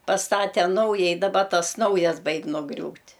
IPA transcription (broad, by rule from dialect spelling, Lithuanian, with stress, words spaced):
pɐsˈtɑːtʲɛ ˈnɐʊjɛɪ dɐˈbɐ ˈtɐs ˈnɐʊjɛs ˈbɐɪkʲ nʊˈɡrʲuːtʲ